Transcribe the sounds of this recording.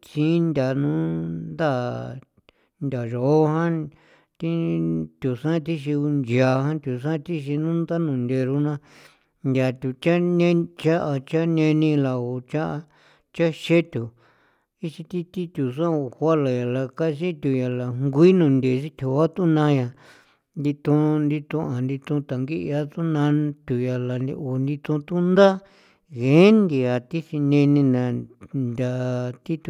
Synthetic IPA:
t͡ʃĩ˦nd̪ʲa˨nũ˦nnd̪a˦˨ | nd̪ʲa˨ʒo˨o˦ɦã˦ | t̪i˦t̪ʲu˨sã˦t̪i˦ʃ̬i˧u˧nd͡ʒja˨˧hã˦t̪ʲu˨s̬ã˦˧t̪i˦ʃ̬i˧nũ˦nd̪a˦nũ˨nd̪e˧ɾu˧nã˧ | nd̪ʲa˨t̪ʲu˧t͡ʃa˦nẽ˦t͡ʃa˦ʔa˧t͡ʃa˦nẽ˧nĩ˧la˨o˧t͡ʃa˦ʔa˧ | t͡ʃa˦ʃe˦t̪ʲu˨ | i˦t͡ʃi˧t̪i˦t̪i˦t̪ʲu˨sã˦o˨hʷa˦la˨ja˨la˧ka˦˧si˦t̪ʲu˧˨ja˨la˨ŋɡʷi˦nũ˧nd̪e˨˧si˦t̪ʲʰu˧˨˦a˦t̪u˦nã˧ja˧ | nd̪i˧t̪ũ˧nd̪i˧t̪ũ˧a˨nd̪i˧t̪ũ˧t̪a˨ŋɡi˦ʔa˦t̪u˦nã˧˦t̪ʲu˨ja˨la˨nḭ˧o˨nd̪i˧t̪ũ˧t̪u˦nd̪a˦ | ɣẽ˨˦nd̪i˨˧a˨t̪i˦si˧nẽ˧nĩ˧nã˨nd̪ʲa˧t̪i˦t̪u˧˨

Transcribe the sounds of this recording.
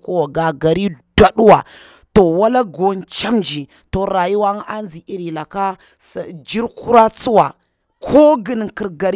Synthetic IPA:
ko˦wa˨ɡa˨ɡa˨ɾi˦d̥a˦ɗu˦wa˨ | to˨wa˦la˦ɡo˦n˦t͡ʃa˦md͡ʒi˨ | to˨ɾa˨ji˦wa˦ŋ˦a˦nd͡zi˨i˦ɾi˨la˨ka˦ | sd͡ʒi˦ɾku˦ɾa˦t͡su˦wa˨ | kʰo˦ɡə˨n˨ki˨ɾɡa˨ɾ

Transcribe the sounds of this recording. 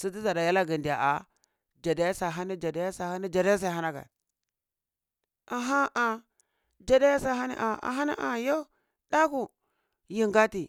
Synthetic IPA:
si˦t̬i˦za˨da˨ja˦la˦ɡi˨ndi˨ja̰˨ʔa˨ | d͡ʒa˨da˨˦ja˦sa˨ɦa˦ni˦d͡ʒa˨da˦ja˦sa˨ha˦ni˦d͡ʒa˨da˦ja˦s̬a˦˨ɦa˦na˦ka̰˨ | a˨ɦa˦ʔa˨ | d͡ʒa˨da˦ja˦sa˦ɦa˦nḭ˦ʔa˨a̰˨ɦa˦na̰˦ʔa̰˨jo˦ | da˦ku˦˨ | ji˨ŋɡa˦ti˨

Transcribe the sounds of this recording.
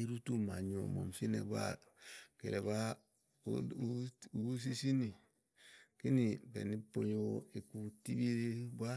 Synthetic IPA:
i˦ɾu˦tu˦ma˨ɲo̰˨mo̰˨msi˦nḛ˨ba̰˦kḛ˨lʔe˨ba˦ | s̬i˦si˦ni˨ | ki˦ni˨bḛ˨ni˦po˦jo˦i˨ku˦ti˦bi˦ɾi˦ba˦

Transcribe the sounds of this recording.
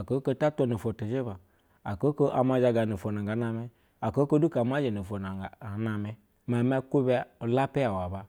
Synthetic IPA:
a˨ko˨˦ko˧ta˦tʷo˧no˨fo˨to˨d͡ʒe˦ba˨ | a˨ko˦ko˦ʔa˨ma˨˧d͡ʒa˧ɡa˨no˨fo˨n˨a˨ɡa˨˦na˧me˦ | a˨ko˦ko˦du˦ka˨˦m˦a˦d͡ʒe˨no˨fo˨na˨a˨˦na˨me˦ | ma˨m˦a˦ku˦be˦o˨la˦pe˦a˨wa˨ba˨

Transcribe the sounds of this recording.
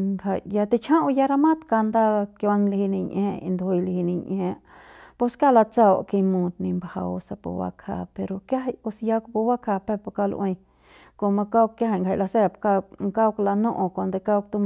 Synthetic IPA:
ŋɡa˧˨ja˧t̪i˧t͡ʃʰã˦ʔũ˧ja˧ɾa˧mã˦t̪ka˧nd̪a˦˧ka˧ŋlhi˧nĩ˧ɲʔẽ˧ḭ̃˧nd̪o˧ho˧jlhi˧nĩ˧ɲʔẽ˧po˧ska˦˨la˧t͡sa˦˧wʔki˧mũ˧t̪nĩ˧mbha̰˧o˧sa˧po̰˧wa̰˧kʰa̰˧pe˧ɾo˧ka˦ɦa˧jo˧sja˧kpo˧wa˦kʰa˧pe˦˧po˧ka˧lʔẽ˧j | ko˧mã˧ka˦˧kja˦ɦa˧˨ŋɡʰa˧˨la˧se˦pka˧ŋka˦kla˧nõ˦˧ʔõ˧kʷa˧nd̪o˧ka˦˧k̚t̪u˧m˧

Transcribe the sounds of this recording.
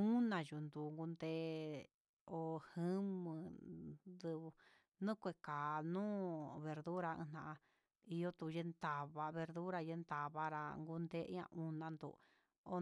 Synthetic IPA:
u˦nã˧ju˨nd̪u˨ŋɡu˧nd̪e˦ | o˧hɨ̃˦mɨ̃˧ | d̪ɨ˧β | nũ˦kʷe˧ka˨nũː˦βe˨ɾðu˦ɾa˧ɨ̰̃˧nã˧ʔã˧ | i˧jo˦t̪u˧je˧nt̪a˨βa˧βe˧ɾðu˦ɾa˧je˧nt̪a˨βa˦ɾa˧ŋɡu˧nd̪e˦ã̰˧ʔũ˧nã˧nd̪ṵ˨ | o˧

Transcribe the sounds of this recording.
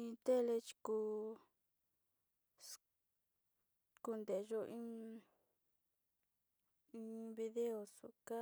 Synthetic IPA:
ĩ˧t̪e˦˨le˧t͡ʃi̥˧ku˧ | s | ku˧nd̪e˨˧ʒo˧ʔĩ˦ | ĩ˧βi˧ðe˦o˨sṵ˧ka˦

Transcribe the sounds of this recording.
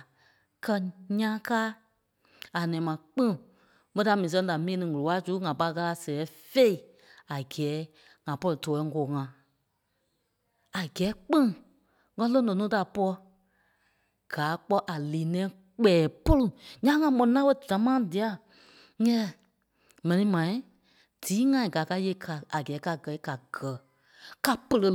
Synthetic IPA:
kɜ˧ɲã˦kaː˦ | a˨nɛ̃ː˨˦mã˨k͡pĩ˦ŋ˨ | ɓə˦ta˧˨mĩː˨s̬ɛ̃˧da˨mĩː˦˨˦nɨ̃˧˨ŋu˨o˨a˦suː˨˦ŋã˨pa˧ka˧la˧sɛ˨ɛ˨˦fe˦i˨ | a˨ɡɛː˨˦ | ŋã˨pɔ˦li˨tɔː˨ɛ˧˦ŋ̩˦ɡoː˨ŋã˨ | a˨ɡɛː˨˦k͡pĩ˦ | ŋã˧˦lõ˦nɔ̃˨nũː˨˦ta˨pɔ˦l | ɡ̥aː˨˦k͡pɔ˧ʔa˨liː˨nɛ̃ː˨˦ | k͡pɛː˨po˦lu˨ɲã˦ŋã˧ɓɔ̃˨ñ˧˨nã˦ɓə˦˨d͡ʒã˨˦mãː˦di˨a˧˦ | ɛ̃˦˨ | mɛ̃˨nĩ˧mã˨ĩ˦ | d̥iː˨˦ŋã˧ĩ˨ɡa˨˦ka˧je˧˦˨kʰa˨a˨ɡɛː˨˦ka˧ɡɜ˨˦i˦ka˨ɡɜ˨˦ | ka˧pə˧lə˧

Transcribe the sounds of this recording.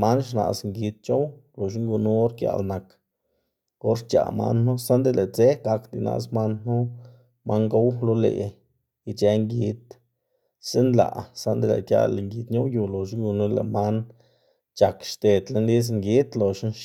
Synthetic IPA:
ma˦nʃ̬na̰˨sŋɡi˧t̪̚t͡ʃo˦wlo˨ʃi˦ŋɡu˧nu˦ɾkja̰˧˨lna˨k | o˦ɾɾt͡ʃa̰˨ma̰˦nːu˦sa˦nd̪e˦le˨t͡se˦ɡa˧kd̪i˧nʔa̰˧sma˦nnu˦ | ma˦ŋɡo˦wlo˦lḛ˧˨ | i˧t͡ʃe˧ŋɡi˧t̪ | se˦nla̰˨˧˨sa˦nd̪e˦lḛ˨kja̰˧lŋɡi˧t̪ɲo˦ju˧lo˨ʃ̬i˦ŋɡu˧nu˦le˨ma˦n | t͡ʃa˨kʃt̪e˨d̪le˧˦nli˦s̬ŋɡi˦t̪lo˨ʃi˦nʃ

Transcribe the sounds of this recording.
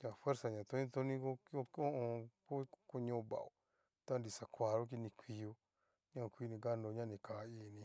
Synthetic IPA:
ɲa˨fwe˦ɾsa˨ɲã˨t̪o˦nĩ˦t̪o˦nĩ˦ko˦o˦ko˦õ˧ko˦ko˦ɲõ˦˨ba̰˨o˨ | t̪a˦ndi˨sa˨kʷa˨ɾo˦k̬i˧˦nĩ˧kʷi˧jo˧ | ɲã˦˨kʷi˦nĩ˧ɡa˦ndo˧ɲã˦˨nĩ˨ka˨˦i˧˨nĩ˧

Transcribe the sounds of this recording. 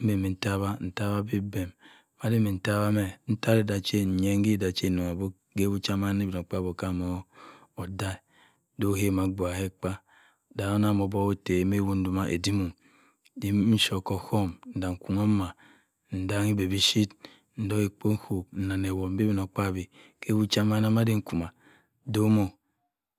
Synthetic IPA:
m̩˦be˨me˨n̩˨ta˦βa˦n̩˨ta˦ba˦bi˦be˨m | ma˦di˦me˨n̩˨ta˦βa˦me˨n̩˦ta˦ɾe˦da˨t͡ʃe˦n̩˨ɲe˦ŋ˦ɡi˦da˨t͡ʃe˦˨no˨a˨bo˦ɡe˦bu˦t͡ʃa˦ma˦ne˦bi˨no˨k͡pa˦bo˨ka˦˨mo˨˦ | o˨da˦˨ | do˦he˦˨ma˨ɡ͡bo˨a˨he˦k͡pa˦ | da˨o˦na˦˨mo˨bo˦o˦te˨˦me˦wu˦n̩˦du˨ma˦ʔḛ˨di˦mu˨m | di˦n̩˦ʃo˨ko˨ho˦mn̩˨da˨ŋ̩˨ku˨ŋo˦ma˨ | n̩˨da˨ŋi˦be˨bi˦ʃi˦t | n̩˨˦do˦ki˨k͡po˦n̩˦ho˨n̩˨na˨ne˨wo˨m̩˦bi˦bi˦˨no˨k͡pa˦˨bi˨ke˦bu˦t͡ʃa˦ma˦na˦ma˦di˦ŋ̩˦ku˨ma˨ | do˦mo˨

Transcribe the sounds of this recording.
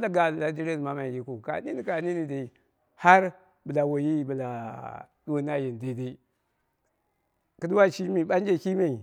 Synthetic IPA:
a˦da˨ɡa˨la˨d͡ʒi˦ɾe˦n˨ma˦ma˨ji˨ku˨ka̰˨ni˦ni˨ka˨ni˦ni˨di˨ | ha˦ɾ | bə˨la˨wo˨ji˦bə˨la˨du˦wu˦na˦ji˨n˨di˨di˦ | kə˦du˦wa˦t͡ʃi˦mi˨ɓa˦n˦d͡ʒe˦ki˦ma˨

